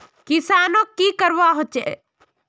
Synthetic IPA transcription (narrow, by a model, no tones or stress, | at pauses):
kɪsaːnokːikəɾʋaɦot͡ʃe